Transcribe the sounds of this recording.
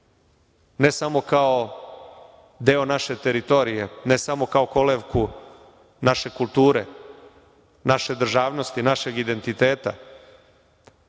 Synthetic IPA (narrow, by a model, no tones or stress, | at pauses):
nesamo̞kao | d̪eːo̞naʃe̞t̪e̞ɾit̪o̞ɾije̞nesamo̞kao̞ko̞leʋku | naʃe̞kulˠt̪uːɾe̞ | naʃe̞d̪r̩ʒaːʋno̞st̪inaʃe̞ɡid̪e̞nt̪it̪eːt̪a